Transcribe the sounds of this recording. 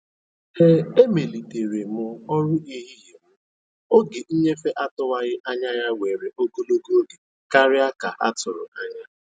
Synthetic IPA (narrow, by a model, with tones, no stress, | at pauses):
he˦e˦me˨li˨te˨ɾe˨mʊ˦ɔ˦ɾʊ˦ʔi˦ɦi˦ɦi˨mʊ˦ | o˦ɡe˨ʔi˦ɲe˦fe˦ʔa˦tʊ˦wa˦ɣɪ˦ʔa˦ɲa˦ja˦we˨ɾe˨ʔo˦ɡo˦lo˦ɡo˦ɡe˨ | ka˦ɾɪ˦a˦ka˨ʔa̰˦tʊ˨ɾʊ̰˨a˦ɲa˦